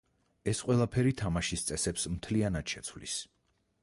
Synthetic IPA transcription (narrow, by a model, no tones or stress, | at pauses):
ɛsqʼwɛlˠapʰɛɾit̪ʰamaʃist̪sʼɛsɛpsm̩t̪ʰlianad̪ʃɛt̪sʰwvlḭs